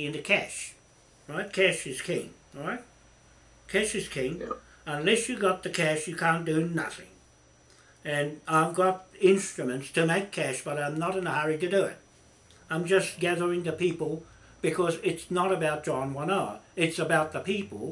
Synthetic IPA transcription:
ɨ̃nɨkʰæʃ | ɹaɪt̚kʰæʃɨz̥kʰɪ̃ŋ | ɹaɪt̚ | kʰæʃɨz̥kʰɪ̃ŋ | ə̃nlɛsjɨɡɑt̪̚ðɨkʰæʃjɨkʰæ̃nd̥ɨnʌθɪ̰̃ŋ | ɨ̃naɪvɡɑɾɪ̃nstɹ̥ɨmɨ̃ntstʰɨmeɪkʰæʃb̥ʌɾãɪ̃mnəɾɨ̃nəhʌɹiɾɨdɨɪ̰t̚ | ãɪ̃md͡ʒʌsɡ̥æðə˞ɪ̃ŋðɨpipl̩ˠ | b̥ɨkʰʌzɪtsnəɾəbaʊt̚d̥ʒ̥ɑ̃nwʌ̃nəɨtsəbaʊt̪̚ðəpʰipl̩ˠ

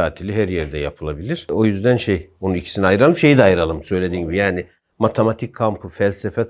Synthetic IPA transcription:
aːt̪ʰilʲiɦæɾjɛɾd̪ɛjapʰɯlˠabilʲiɾ̥o̞jyzd̪ænʃejo̞nunicʰi̥siniajɯɾalˠɯmʃe̞jid̪ɛajɯɾalˠɯmsø̞jlʲeinɟibijaːnɪ | mat̪ʰemat̪ʰikʰːampʰɯfælʲsefɛ

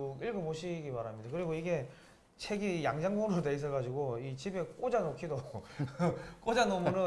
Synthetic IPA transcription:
oiɭɡomoɕʰiɡipaɾamɲidakɯɾiɡoiɡe̞ | t͡ɕʰeɡijaŋd͡ʑaŋboɾɯɾote̞is̬͈ʰʌɡad͡ʑiɡoit͡ɕibe̞k͈od͡ʑanokʰido | k͈od͡ʑanomoɾɯ

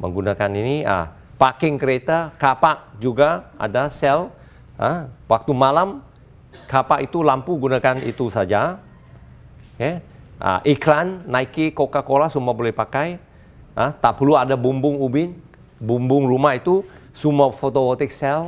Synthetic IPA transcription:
mə̰ŋɡunakaniniə̰ | pakɪŋkəɾet̪akapaʔd͡ʒuɡaa̰dasɛl | əwak̚t̪umalam | kapaʔit̪ulampuɡunakanḭt̪usad͡ʒa | kɛʔə̰ʔiklanːaikikokakolahsumbabolɛhpakaj | ʔət̪aʔpəluadabumbʊŋubɪn | bumbʊŋrumahit̪usumafot̪owot̪ɪk̚sɛl

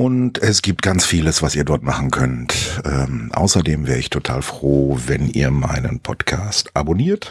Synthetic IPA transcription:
ʔʊntɛsɡ̥iːp̚t̚ɡ̥ant͡sfiːləsv̥asiːɐdɔɐtmaχn̩kʰœntʔɛːmʔa̰ʊsɐdeːmvɛːʁəɪçtʰotʰaːlfʁ̥oːvɛnʔḭːɐmaɪnənpʰɔtkʰaːstʔaboniːɐt

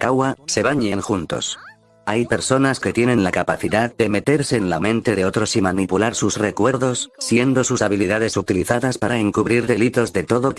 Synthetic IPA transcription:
kawase̞βaɲenxunt̪o̞̰s | ajpe̞ɾso̞naske̞t̪je̞nenlakapaθiðaðde̞me̞t̪e̞ɾse̞ːnlamẽ̞nt̪e̞ðeo̞t̪ɾo̞simanipulaɾsusre̞kwe̞ɾðo̞sːje̞nd̪o̞susaβ̞iliðaðe̞sut̪iliθaðaspaɾaeŋkuβɾiɾðe̞lit̪o̞zðe̞t̪o̞ðo̞

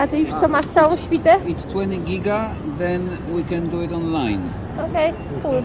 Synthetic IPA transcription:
at̪ɨjuʂt̪ɔmaʂt̪sawɔ̃w̃ɕfʲit̪ɛɪtstʰwɛ̃ntiɡiɡa | ðɛ̃n | wikɛ̃nduɪtɔ̃nlãɪ̃n | okej | kul

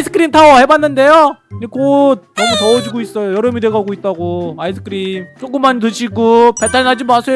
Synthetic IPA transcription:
isʰɯ̥k͈ʰɯɾimtʰaʌhe̞banːɯnde̞joɲekod̚ʌmɯtʌod͡ʑiɡois͈ʌjojʌɾɯmidweɡaɡoit̚t͈aɡoaisʰɯ̥k͈ʰɯɾimt͡ɕ͈ok͈ɯmːanit̬ɯɕʰiɡopetʰanad͡ʑimasʰe

